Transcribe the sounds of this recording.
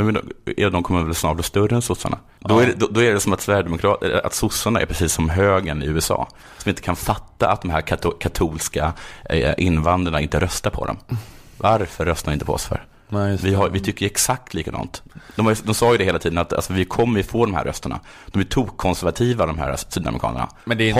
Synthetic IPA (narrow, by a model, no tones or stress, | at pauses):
mɛd̪ɔɛd̪ɔmkʰɔmːəɾvɛlsnɑːʈɔst̪ɵɾənsʊsːa̰ɳa̰ | d̪ɔɛɛd̪ɔd̪ɔæɖɛsɔmat̪svæɾjɖ̪ɛmʊkʰɾɑːt̪ɛʔa̰t̪sʊsːaɳaʔɛ̰ɾpʰɾɛsiːsːɔmɦøːɡənɪʉ̟ːɛsɑ̰ː | sɔmɪnt̪ə̥kʰanfat̪ːa̰ʔa̰t̪̚d̪ɔmɦæːɾkʰakʰat̪ʰuːlska | ʔɪnːvand̪ɾaɳaɪnt̪əɾʔœst̪aɾpʰɔ̰d̪ɔ̰m | vaɾfœɾːœst̪aɾɪnt̪əpʰɔɔ̰sfœ̰ɾ | vɪɦavɪt̪ʰʏkːəɾjɛksak̚t̪ʰliːkad̪ɑ̰ːnt̪d̪ɔmajd̪ɔmsɑːjɵd̪ɛheːlat̪ʰiːd̪ənat̪a̰lsɔvɪkʰɔmːəɾjfoːd̪ɔmhæ̰ɾʔœ̰st̪əɳa̰ | d̪̥ɔmæʈʰuːkʰːɔnsæɾvat̪ʰiːvad̪ɔmɦæ̰ːɾsyːd̪a̰mɾɪkʰɑ̰ːnə̰ɳa̰ɛdɛ